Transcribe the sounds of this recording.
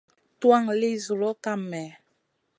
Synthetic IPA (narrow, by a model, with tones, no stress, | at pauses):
twa˦ŋli˦zu˨lo˦ka˦mɛ˨